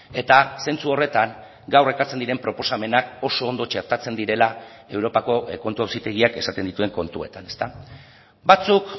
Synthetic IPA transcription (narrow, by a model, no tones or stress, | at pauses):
e̞t̪ase̞nt͡suo̞re̞t̪aŋ | ɡawre̞kaɾt͡se̞nd̪iɾe̞mpɾo̞po̞same̞nako̞so̞ːnd̪o̞t͡ʃe̞ɾt̪at͡se̞nd̪iɾe̞la | e̞wɾo̞pako̞ko̞nt̪uawsit̪e̞ɣiake̞sat̪e̞nd̪it̪ue̞ŋko̞nt̪ue̞t̪ane̞̥st̪a | bat͡suk